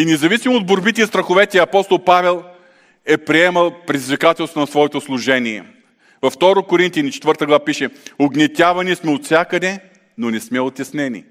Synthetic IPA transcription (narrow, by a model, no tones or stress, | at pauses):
inɛzɐvisimoːd̪̚boɾbit̪ɛist̪ɾɐxʊvɛt̪ɛɐpɔst̪olˠpavɛlˠ | ɛpɾiɛmɐlˠpɾɛd̪izvʲikat̪ɛlˠst̪onɐsvɔɛt̪oslˠʊʒɛniɛ̰ | vɐft̪ɔɾokʊɾint̪jɐnit͡ʃɛ̥t̪vɤɾt̪əɡlˠɐvapiʃɛʊɡnɛt̪ʲavɐnismɛot̪sʲjakəd̪ɛ | nonɛsmɛot̪ʲɐsnɛnḭ